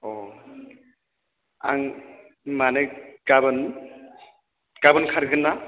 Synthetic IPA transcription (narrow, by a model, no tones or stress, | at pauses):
ɔ | a̰ŋ | manɯɡabɯn | ɡ̥abɯnkʰaɾɡɯnːa